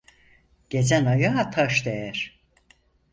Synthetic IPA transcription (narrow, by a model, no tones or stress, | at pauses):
ɟ̥e̞d͡ʒænajaɦat̪ʰaʃd̪ejæɾ̥